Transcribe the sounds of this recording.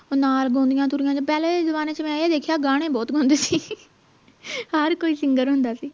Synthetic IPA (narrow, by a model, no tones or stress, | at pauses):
oːnaːlɡõːnd̪ɪjãːt̪ʊɾɪjãːt͡ʃpɛːlẽːezʊbaːneːt͡ʃəmɛ̃ːed̪eːkʰjaːɡaːɽ̃eːbɔːt̪ɡʱõːnd̪eːsiː | həɾkoːiːsɪŋɡəɾɦʊ̃nd̪aːsiː